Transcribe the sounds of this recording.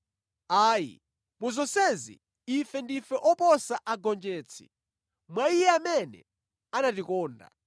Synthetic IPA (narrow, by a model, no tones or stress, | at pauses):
aːjḭ | muzɔsɛzḭː | fɛndifɛʔɔpɔsaʔaɡɔnd͡ʒɛːt͡sʰi̥̰ | mwaijɛamɛnɛ̰ | anatikɔːnda̰